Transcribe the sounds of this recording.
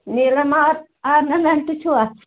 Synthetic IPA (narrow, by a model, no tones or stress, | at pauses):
niːlːæmɑːt̪ | ɑˑenɑmænt̪ysuɑt̪s